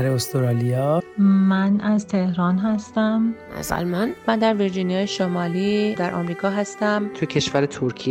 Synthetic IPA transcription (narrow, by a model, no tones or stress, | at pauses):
ɾeost̪ʰoɾɒlijɒmænæzt̪ʰe̞hɾɒːnɦæst̪æmæ̰zæ̰lmanmænd̪æɾviɾd͡ʒinijɒːjeʃomɒːliːd̪æɾʔɒ̰ːmɾiːkʰɒːɦæst̪æmt̪ʰujecʰeʃvæɾet̪ʰoɾcʰi